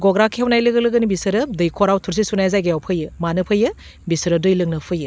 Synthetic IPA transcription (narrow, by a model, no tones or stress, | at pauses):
ɡoɡɾakʰehewnajlɯɡɯlɯɡɐnibisɯɾɐdɯjkʰoɾawtʰuɾs̬isunajzajɡajawpʰɯjɯmanɯpʰɯjɯ | bisɯɾɐdɯjlɯŋnɯpʰɯjɯ